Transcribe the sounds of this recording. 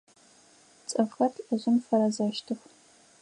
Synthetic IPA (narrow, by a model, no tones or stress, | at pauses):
t͡sʼɐfxɐtʰɐʑʷɪmfɐɾɐzaːʃtʰɨx